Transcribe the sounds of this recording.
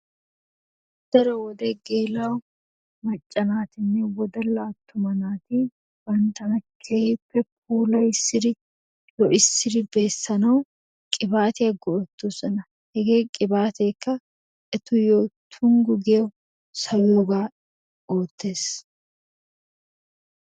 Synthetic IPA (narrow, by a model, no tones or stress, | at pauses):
d̪̥ɐɾɐwɔd̪eɡeːlaw | mɐt͡ʃʼːɐnaːt̪ɪnːɪwɔd̪ɐlːaːt̪ːʊmɐnaːt̪i | b̥ɐnt̪ɐnɐkʰːeɪpːɛp̚uːlɐjɪsːɪɾɪ | jɔʔɪsːɪɾɪbe̞ːsːɐnɐw | kʼɪbaːt̪ɪɐɡɔɔt̪ːusɐnɐ | hɛɡeːkʼɪbaːt̪e̞ːkːɐ | ɛt̪ʊjoːt̪ʰʊŋɡʊɡeːʊ | sɐjoːɡaː | oːt̪ːeːs